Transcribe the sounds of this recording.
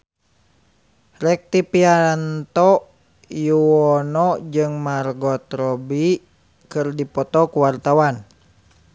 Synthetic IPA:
rɛk̚t̪ipiaant̪ɔ | juwɔnɔd͡ʒɨŋmarɡɔt̪ɾɔbi | kɨrdipɔt̪ɔkuwart̪awan

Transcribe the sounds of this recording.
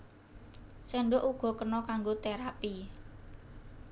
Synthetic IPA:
seɳɖʊʔuɡ̥ɔ̤kənɔkaŋɡot̪eɾapi

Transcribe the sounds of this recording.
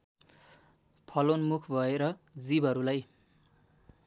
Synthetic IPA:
pʰʌlonmukʰbʱʌeɾʌd͡zibʱʌɾulaj

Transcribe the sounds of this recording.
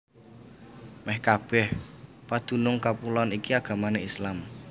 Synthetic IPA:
mɛhkab̥ɛh | pad̪̥ṳnʊŋkapulɔnikiaɡ̥a̤maneislam

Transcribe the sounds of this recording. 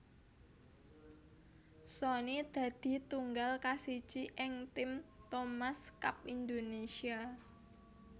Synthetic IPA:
sonid̪̥a̤d̪̥i̤t̪uŋɡalkasit͡ʃiʔɪŋt̪ɪmt̪omaskap̚ind̪onesia

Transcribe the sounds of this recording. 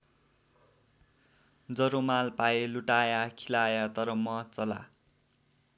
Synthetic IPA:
d͡zʌɾomalpajeluʈajakʰilajat̪ʌɾʌmʌt͡sʌla̰

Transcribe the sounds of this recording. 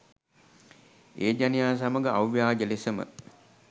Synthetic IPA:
eːd͡ʒanijaːs̬aməɡəawʋjaːd͡ʒəlesəmə̰

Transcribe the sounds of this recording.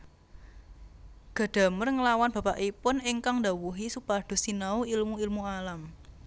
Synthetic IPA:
ɡ̥a̤ɖ̥a̤mərŋəlawanb̥ä̤paʔipʊnɪŋkaŋd̪a̤wuɦisupaɖ̥o̤sinauilmuilmualam

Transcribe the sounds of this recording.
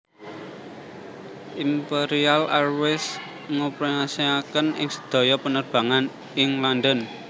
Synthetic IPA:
ʔimpeɾialarwɪs | ŋəpɾənasiakənɪŋsə̥d̪̥ɔ̤jɔpənərb̥a̤ŋan | ɪŋland̪ɔn

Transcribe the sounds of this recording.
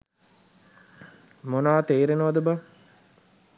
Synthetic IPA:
monaːt̪eːɾenəʋɐd̪əba

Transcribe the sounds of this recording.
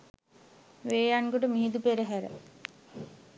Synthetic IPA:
ʋeːjanɡoʈəmiɦid̪upeɾəɦæɾə̰

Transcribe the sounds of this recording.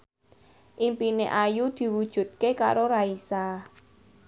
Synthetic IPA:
ʔimpineʔajud̪̥i̤wud̥ʒ̥ṳt̪̚keka̰ɾoɾaisa

